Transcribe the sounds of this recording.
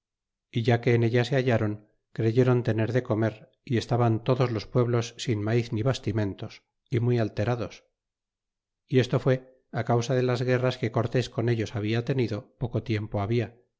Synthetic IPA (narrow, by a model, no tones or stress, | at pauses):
iʝake̞ːne̞ʎase̞aʝaɾo̞ŋ | kɾe̞ʝe̞ɾo̞nt̪e̞ne̞ɾðe̞ko̞me̞ɾ | ie̞st̪aβant̪o̞ðo̞zlo̞spwe̞βlo̞sːinmaiθniβast̪imẽ̞nt̪o̞s | imwialt̪e̞ɾaðo̞s | ie̞st̪o̞fwe̞ | akawsaðe̞lazɣe̞raske̞ko̞ɾt̪e̞sko̞ne̞ʎo̞saβ̞iat̪e̞niðo̞po̞ko̞t̪je̞mpo̞aβia